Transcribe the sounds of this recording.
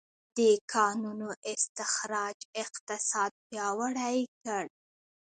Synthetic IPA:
d̪əkʰɑnunoʔɪst̪ɪxɾɑd͡ʒɪqt̪ɪsɑd̪̚pjɑwaɽajkəɽ

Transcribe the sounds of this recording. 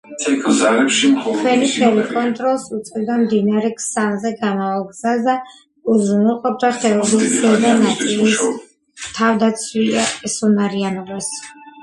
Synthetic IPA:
ɛkʰzalɛpʃikʰwɛnit̪ʰɛlɛkʼɔnt̪ʼɾɔlˠsut̪sʼɛbd̪amd̪inaɾɛkʰsanzɛɡamavalˠɡz̥asd̪a | uzɾunɛlˠqʼɔp̚d̪aχɛɔiɛd̪anat̪ʼilis | t̪ʰavd̪at̪sʰwiaɛsunaɾianɔbas

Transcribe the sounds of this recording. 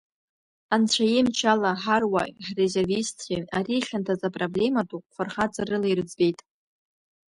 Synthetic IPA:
ant͡ɕʷʰajemt͡ʃʰalaħarwa̰iħrezervistʰʲeariɬʲantʰazapʼroble̞matʼuqʷʼχʷarχat͡sʼarɨlajrɨd͡zbe̞jtʼ

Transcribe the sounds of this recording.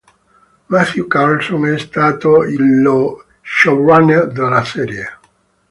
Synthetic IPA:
maθjukalsonɛst̪aːt̪oilːo | ʃoraned̪elːasɛːɾje

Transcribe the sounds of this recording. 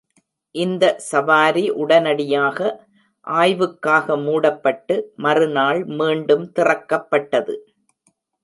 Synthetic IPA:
ʔɪnd̪ɐsɐʋaːɾiʔʊɽɐnɐɽɪjaːɣɐ | ʔaːjʋɯkːaːɣɐmuːɽɐpːɐʈːɯmɐrɯnaːɭmiːɳɖɯmt̪ɪrɐkːɐpːɐʈːɐðɯ

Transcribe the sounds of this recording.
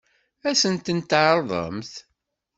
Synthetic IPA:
æsənt̪ənt̪ʕəɾˤðˤə̰mθ

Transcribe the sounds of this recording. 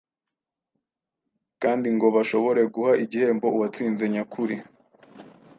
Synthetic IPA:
kaːndiŋɡo̞βaʃo̞βo̞ɾe̞ɡuhaʔiɟihe̞ːmbo̞uwat͡siːnze̞ɲakʰuɾi

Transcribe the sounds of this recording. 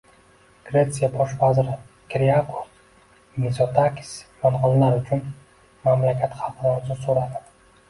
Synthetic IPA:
ɡ̥ɾe̞t̪sijabɒʃvazɾɪ | kʲʰɾiakʰo̥ | nisot̪ʰakʲi̥smanʁɒnlaɾʊt͡ʃʰʊn | mamlakʲʰat̪χɑlqɨɾɒɾɪzɪsoɾad̪ɪ̥

